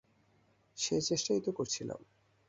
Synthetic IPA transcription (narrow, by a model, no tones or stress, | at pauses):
ʃet͡ɕeʃʈait̪okoɾt͡ɕʰila̰m